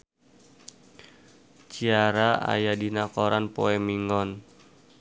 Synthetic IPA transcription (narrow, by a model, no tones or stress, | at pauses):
t͡ʃiaɾaa̰jadinakɔɾanpɔɛmiŋɔn